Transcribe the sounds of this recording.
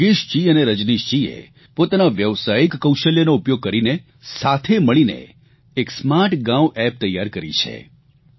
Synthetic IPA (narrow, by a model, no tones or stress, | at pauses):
ɡiʃt͡ʃiəneɾəd͡ʒniʃt͡ʃiḛ | pot̪anaʋjəʋsajikːəwʃəljənoupjoɡ̚kəɾine | sat̪ʰeməɭinḛ | eksmaʈɡãwʔɛp̚t̪əjːaɾkəɾḭt͡ʃʰḛ